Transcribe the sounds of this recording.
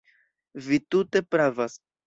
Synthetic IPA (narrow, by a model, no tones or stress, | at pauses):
vitute̞pɾavas